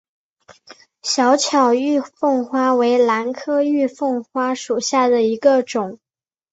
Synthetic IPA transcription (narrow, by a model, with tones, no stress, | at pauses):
ɕjɑ˧˥ʊt͡ɕʰjɑ˨˩ʊy˥˧fɤ˥˩ŋxwa˥we˧˥ɪla˧˥nkʰɤ˥y˥˧fɤ˥˩ŋxwa˥ʂu˨˩ɕja˥˩d̪ə˩i˧˥ɡə˧ʈ͡ʂʊ˨˩˦ŋ